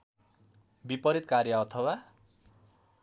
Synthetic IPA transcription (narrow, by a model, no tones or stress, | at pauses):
bipʌɾit̪karjʌːt̪ʰʌwa